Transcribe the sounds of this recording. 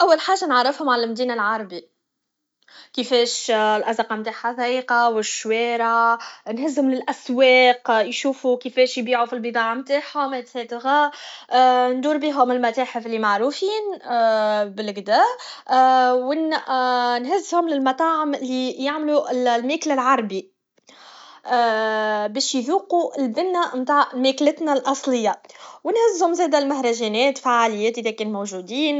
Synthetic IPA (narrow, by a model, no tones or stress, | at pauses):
ʔæwːalħaːʒːanʕɑɾˤːɪfhʊmʕalælmd̪iːnalʕɑɾˤɑbi | kɪfɛːʃlʔæzɑqɑmt̪aːħaθaʔiːqɑwɪʃwɛːɾˤɑnɦɪzːhʊmlɪlʔæswɛːqjʃuːfukɪfɛːʃjbiːʕufilbɨt̪ˤɑːʕamt̪aːħhʊmæt̪hɛːt̪ɣa | nd̪uːɾbiːɦʊmɪlmæt̪æːħɪfɪlːimaʕɾufiːn | bɪlɡd̪æː | wɪn | nɦɪzːhʊmlɪlmɑt̪ˤɑːʕɪmɪlːijaʕmluɪllmɛːklɪlʕɑɾˤbi | bɛːʃjðuːquʔɪlbɪnːæmt̪aːʕʕmæːklɪt̪nælʔɑsˤlɪjːawɪnhɪzːhʊmzæːd̪ælmahɾˤɑʒɛːnɛːt̪faʕːaːlɪjːɛːt̪ʔiðækɛːnmowʒuːd̪iːn